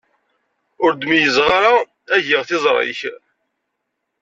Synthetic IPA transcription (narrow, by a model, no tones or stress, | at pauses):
ʊɾd̪mijəzʁaɾa | æʝɪʁθɪzˤɾˤɪ̰ç